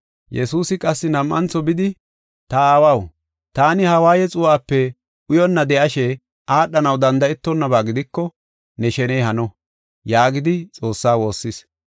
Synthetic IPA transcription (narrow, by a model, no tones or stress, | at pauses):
jɛsuːsɪkʼɐsːɪnɐmʔɐ̰nt͡sɔbɪd̪ɪ | t̪ɐaːwɐw | t̪aːnɪhɐwaːjɛt͡sʼʊwaːpːɛ | ʔʊjɔnːɐd̪ɛʔɐʃɛ | ʔaːɗɐnɐwd̪ɐnd̪ɐɛt̪ːɔnːɐbaːɡɪd̪ɪkːɔ | nɛʃɛnɛjhɐnɔ | jaːɡɪd̪ɪt͡sʼo̞ːsːaːwo̞ːsːɪs